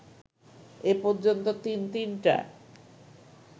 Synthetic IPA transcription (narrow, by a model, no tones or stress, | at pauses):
epɔɾd͡ʑont̪ot̪int̪inʈa̰